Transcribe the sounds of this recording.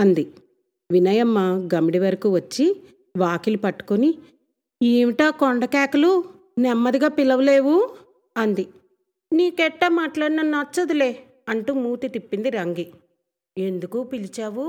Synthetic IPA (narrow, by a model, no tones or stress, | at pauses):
ɐnd̪i | ʋinɐjɐmːɐɡɐmiɽiʋɐɾɐkuːʋɐt͡ʃːi | ʋaːkilupɐʈːu̥koni | eːʋiʈaːkoɳɖɐkaːkulu | nɛmːɐd̪iɡaːpilɐʋɐle̞ːʋu | ɐnd̪i | niːkɛʈːɐmaːʈlaːɽinɐnɐt͡ʃːɐd̪ule̞ː | ɐɳʈuːmuːt̪it̪ipːind̪iɾɐŋɡi | e̞nd̪ukuːpilit͡ʃaːʋu